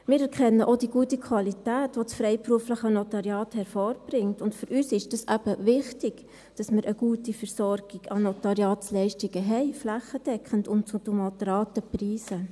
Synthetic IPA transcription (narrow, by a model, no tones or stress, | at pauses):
mɪːɾɛɾkʰχɛnːəʔod̥iɡuətikʰwɑlitæːtʋot͡sfɾɛɪpɾuəfləχənotɑɾjɑːthɛɾfoːɾb̥ɾɪŋtʊntfyɾyːsɪʃd̥ɑsæb̥əʋɪχtɪɡ̥ | d̥ɑsməɾʔəɡuːtifəɾsɔɾɡ̥iɡɑnotɑɾjɑːtslɛɪʃtiɡ̥əɦɛɪflæχəd̥ɛkχəntʊntt͡sutumɑtɾɑːtəpriːsə